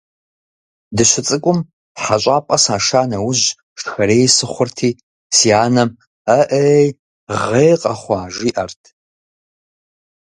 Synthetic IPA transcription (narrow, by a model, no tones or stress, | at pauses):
dɨɕʷɪt͡sʼɨkʷʼʊm | ħaɕʷʼaːpʼɐsaːʂaːnɐwʊʑ | ʃxɐɾeːjsɨχʷʊrtʰiː | siaːnɐm | ɐʔej | ʁejqʼɐχʷɑaːʒiːʔɐrtʰ